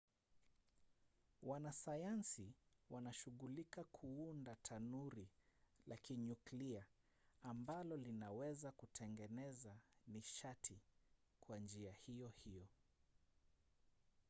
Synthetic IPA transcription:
wanasajansiwanaʃuɣulikakʰuundatʰanuɾilakiɲuklia | ambalɔlinawɛzakutʰɛŋɡɛnɛzaniʃatʰi | kʰwand͡ʒiahijɔhijɔ

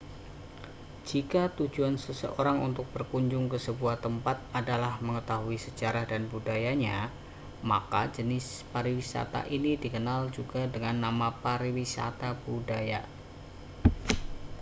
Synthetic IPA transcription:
d͡ʒikat̪ud͡ʒuansəsə̰ʔoɾaŋṵnt̪ʊk̚b̥ərkuɲd͡ʒʊŋkəsəbuaht̪əmpat̪̚adalahməŋət̪aɦuisəd͡ʒaɾahdanbudajaɲa | makad͡ʒənɪs | paɾiwisa̰t̪a̰ʔinidikənald͡ʒuɡadəŋanːamapaɾiwisa̰t̪ab̥udaja

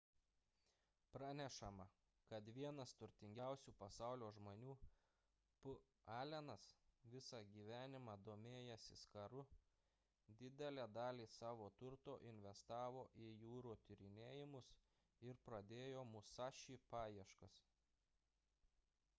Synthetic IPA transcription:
pɾɑːnʲɛʃɐmɐ | kɐt̪ʋʲiɛnɐst̪ʊɾʲt̪ʲɪŋʲɡʲæˑʊsʲuːpɐsɑˑʊlʲoːʒmoːnʲuː | pʊ | ɑːlʲɛnɐsʋʲɪsɑːɡʲiːʋʲæːnʲɪmɑːd̪oːmʲeːjɛsʲɪskɐɾʊ | d̪ʲɪd̪ʲɛlʲæːd̪ɑːlʲiːsɑːʋoːt̪ʊɾt̪oːʔɪnʲʋʲɛst̪ɑːʋoːʔɪjuːɾuːt̪ʲɪɾʲɪnʲeːjɪmʊs | ɪɾpɾɐd̪ʲeːjoːmʊsɑːʃʲiːpɑːjiɛʃkɐs

